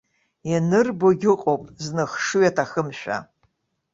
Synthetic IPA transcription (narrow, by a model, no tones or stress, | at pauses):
janɨrboɡʲɪqʼowpʼznɨχʂujatʰaxɨmʃᶣa̰